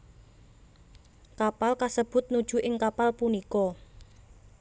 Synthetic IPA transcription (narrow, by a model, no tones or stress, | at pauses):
kapalkasəb̥ʊ̤t̪̚nud̥ʒ̥ṳʔɪŋkapalpunikɔ